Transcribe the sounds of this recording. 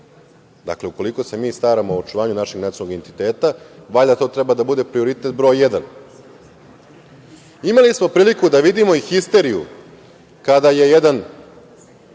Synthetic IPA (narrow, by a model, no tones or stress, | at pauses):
d̪a̰kle̞uko̞liko̞se̞miːst̪aːɾamo̞ot͡ʃuʋaːɲunaʃeɡnat̪sonoɡent̪it̪e̞ːt̪aʋaʎd̪at̪o̞ːt̪ɾebad̪abud̪e̞pɾio̞ɾit̪e̞t̪̚bɾo̞jjed̪an | imalismo̞pɾiːlikud̪aʋid̪imo̞ixist̪e̞ɾijṵ | kad̪aje̞jed̪an